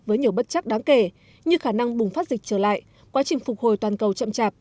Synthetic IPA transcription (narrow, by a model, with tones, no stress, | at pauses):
vəː˨˦jɲi˨˩əwɓə˦˥t̚t͡ɕa˦˥k̚ɗaː˨˦ŋke˧˩ | ɲɨ˧xaː˧˩na˧ŋɓʊ˨˩ŋ͡mfa˦˥t̚zï˨˩k̟̚t͡ɕəː˧˩la̰ː˧˨j | kwaː˨˦t͡ɕï˨˩ŋ̟fʊ˨˩k͡p̚ho˨˩jt̪waː˨˩nkə˨˩wt͡ɕə̰˧˨mt͡ɕaː˨˩p̚